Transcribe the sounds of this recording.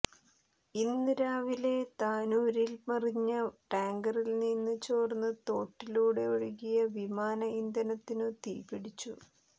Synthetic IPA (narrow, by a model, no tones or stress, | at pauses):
ind̪iɾaːʋile̞t̪aːnuːɾilmɐriɲːɐʈaːŋɡɐrilninːɨt͡ɕoːrnːɨt̪o̞ːʈːiluːɽe̞oɻuɣijɐʋimaːnɐind̪ɐnɐt̪ːinɨt̪ḭːpiɽit͡ɕːṵ